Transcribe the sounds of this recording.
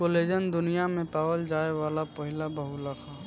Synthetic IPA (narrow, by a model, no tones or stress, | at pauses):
oled͡ʒənd̪ʊnijamẽpaːwəld͡ʒaːewaːlapəɦɪlabəɦuləkʰa